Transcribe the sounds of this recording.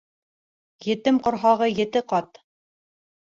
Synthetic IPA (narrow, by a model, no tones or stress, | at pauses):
jɘ̆t̪ɘmqŏɾɦɑʁɤjɘ̆t̪ɘqɑt̪